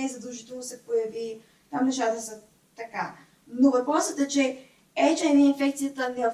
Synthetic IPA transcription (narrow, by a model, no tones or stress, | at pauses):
ɛizɐd̪lˠʒit̪ɛlˠʊsɛpojɐvi | t̪amnɛʃat̪əsə | t̪ɐka | novɐpɾɔsət̪ɛt͡ʃɛ | ɛt͡ʃɛɛnɛinfɛkt̪sijət̪ənɛv